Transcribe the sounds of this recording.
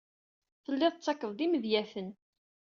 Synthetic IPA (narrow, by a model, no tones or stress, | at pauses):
θəlːɪðˤt͡sːɑkːəðˤðiməðjæθən